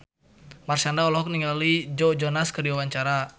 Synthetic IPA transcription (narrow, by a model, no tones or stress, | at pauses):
marsandaɔlɔɦɔk̚niŋalid͡ʒɔd͡ʒɔnaskərdiwawaɲt͡ʃaɾa